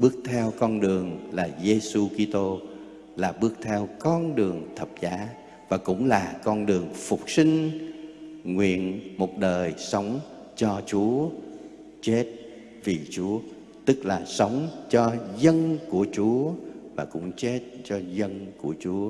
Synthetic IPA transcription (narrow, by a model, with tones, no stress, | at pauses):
ɓɨ˦˥ək̚t̪ʰɛ˧wkɔ˧nɗɨ˨˩əŋlaː˨˩ze˧su˧ki˧t̪o˧ | laː˨˩ɓɨ˦˥ək̚t̪ʰɛ˧wkɔ˧nɗɨ˨˩əŋt̪ʰə˨˩p̚zaː˨˦ | vaː˨˩kʊ̰˧˥ŋ͡mlaː˨˩kɔ˧nɗɨ˨˩əŋfʊ˨˩k͡p̚si˧ŋ̟ | ŋwḭ˧˨ənmo˨˩t̚ɗəː˨˩jsə˨˦wŋ͡m | t͡ɕɔ˧t͡ɕu˨˦ə | t͡ɕe˦˥t̚ | vi˨˩t͡ɕu˨˦ə | t̪ɨ˦˥k̚laː˨˩sə˨˦wŋ͡mt͡ɕɔ˧zə˧nku˧˩ət͡ɕu˨˦əvaː˨˩kʊ̰˧˥ŋ͡mt͡ɕe˦˥t̚t͡ɕɔ˧zə˧nku˧˩ət͡ɕu˨˦ə